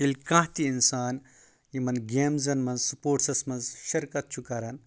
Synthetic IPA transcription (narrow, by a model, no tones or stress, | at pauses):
ilʲkɐ̃ɦt̪iinsaːn | jimɐnɡʲeːmzɐnmɐnzsupoːʈsɐsmɐnzʃɐɾkɐt̪̚t͡ʃʰukɐɾɐn